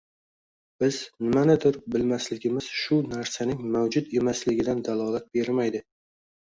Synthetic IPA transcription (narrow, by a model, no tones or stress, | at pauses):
b̥ɪznɪmanɪd̪ʊɾbɪlmaslɪɡʲɪmɪz̥ʃʊnaɾsanɪŋmawd͡ʒʊt̪e̞maslɪɡʲɪd̪and̪alˠɒlat̪̚be̞ɾmajd̪ɪ